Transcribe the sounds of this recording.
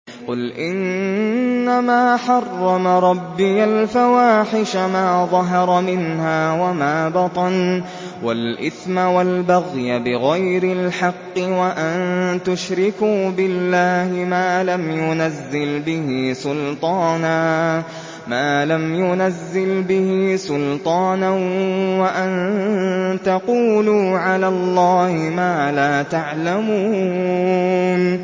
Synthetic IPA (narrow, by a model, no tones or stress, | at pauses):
qʊlʔɪnː | amaːħɑrˤːɑmaɾˤɑbːɪjalfawaːħɪʃamaːðˤɑɦɑɾˤɑmɪnhaːwamaːbɑt̪ˤɑn | walʔɪ̰θmawalbaɣjabɪɣajɾɪlħɑqːɨwaʔant̪ʊʃɾɪkuːbɪlːaːhɪmaːlamjʊnazːɪlbɪhisʊlt̪ˤɑːnaː | maːlamjʊnazːɪlbɪhisʊlt̪ˤɑːnawaʔan | t̪ɑquːluːʕalaːlˤːɑːhɪmaːlaːt̪aʕlamuː | n